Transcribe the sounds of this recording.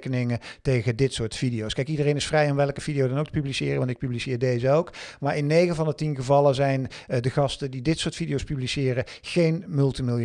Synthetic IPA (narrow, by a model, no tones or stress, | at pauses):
kənɪŋətejɣədɪtsʊːɹtfidijowskɛjkidərejnɪsfrɛjɔmʋɛlˠkəv̥idijowdɑnowktə̥pyblisɪːrəʋɑntɪk̚pyblisɪːɹdejzəowkmaːɹɪnːejɣəvɑndətinɣəvɑlˠəzɛjndəɣɑstədidɪtsʊːɹtfidijowspyblisɪːrəɣejnmɵlˠtimɪlˠ